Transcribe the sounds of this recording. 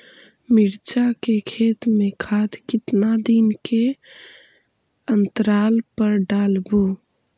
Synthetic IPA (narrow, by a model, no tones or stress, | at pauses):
miɾt͡ʃakekʰeːt̪mẽkʰad̪kɪt̪nad̪inke | ənt̪əɾaːlpəɾɖaːlbu